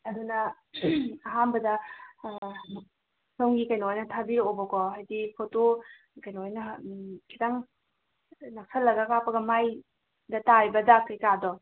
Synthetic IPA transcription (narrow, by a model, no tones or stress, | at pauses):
ɐdunɐ | ɐɦanbɐdɐ | sɐwŋɡikɐjnojnɐtʰabiɾobɐkɔɦajdipʰoto | kɐjnojnɐkʰitaŋ | nak̚sʰɐlːɐɡɐkapɐɡɐmaj | dɐtajbɐdakɐjkadɔ